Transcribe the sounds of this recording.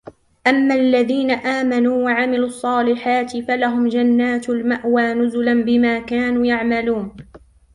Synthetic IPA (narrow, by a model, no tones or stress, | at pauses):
ʔamːalːaðiːnaʔaːmanuːwaʕamɪluːɑsˤːɑːlɪħaːt̪ɪfalaɦʊmd͡ʒanːaːt̪almaʔwaːnʊzʊlanbɪmaːkaːnuːjaʕmaluːn